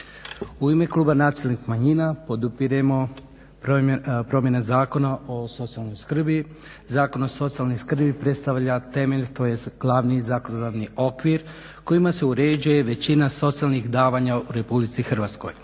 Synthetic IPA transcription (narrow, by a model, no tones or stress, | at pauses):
uime̞klˠuːbanaːt̪silnikmaɲinapo̞d̪upiɾemo̞ | ppɾo̞mje̞nazaːko̞nao̞so̞t̪sijalˠnojskr̩bi | zaːko̞no̞so̞t̪sijalˠnojskr̩bipɾe̞t̪st̪aʋʎat̪e̞me̞ʎt̪o̞ːje̞sɡ̥lˠaʋnizakonod̪aʋnio̞kʋiɾ | ko̞jimase̞uɾed͡ʑuje̞ʋe̞t͡ɕinaso̞t̪sialˠnixd̪aːʋaɲauɾe̞publit̪sixr̩ʋat̪sko̞̰j